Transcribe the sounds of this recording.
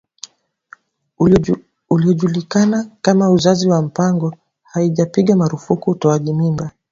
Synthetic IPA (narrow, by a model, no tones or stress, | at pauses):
uliɔʄulikanakamauzaziwam̩paŋɡɔ | haiʄapiɠamaɾufukuːtɔaʄimimba